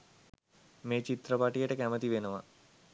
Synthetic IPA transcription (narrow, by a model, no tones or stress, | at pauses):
meːt͡ʃit̪rəpaʈijəʈəkæmət̪iʋenəʋa̰